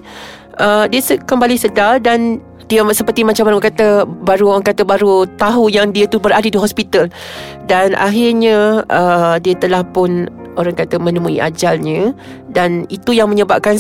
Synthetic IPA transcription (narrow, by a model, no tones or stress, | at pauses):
ʔədiəsəkəmbalisədardan | diəsəpərt̪imat͡ʃamanuəkat̪əbaɾuoɾaŋkat̪əbaɾut̪aɦujaŋdiət̪ubəɾadadiɦɔspit̪al | danʔa̰ɦɪrɲãʔədiat̪əlahpʊn | oɾaŋkat̪amə̃nəmũḭʔa̰d͡ʒalɲã | danit̪ujaŋmə̃ɲəbap̚kan